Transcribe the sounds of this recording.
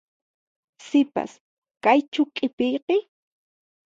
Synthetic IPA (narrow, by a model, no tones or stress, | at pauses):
sɪpa̰s | kajt͡ʃʊkʼɪpɪjqɪ